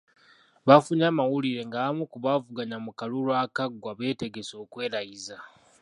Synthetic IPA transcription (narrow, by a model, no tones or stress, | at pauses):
βafuɲamawuliɾe̞ŋɡaβamukuβavuɡaɲamukaluɾwaːkaɡwaβe̞ːte̞ɡe̞so̞ːkwe̞ːɾajiza